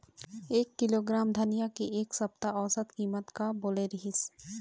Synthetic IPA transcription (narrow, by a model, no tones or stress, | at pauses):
eːkːɪloːɡɾaːmd̪ʱənijakieːksɐp̚t̪aɔːsət̪kiːmət̪kaboːleɾɪɦɪs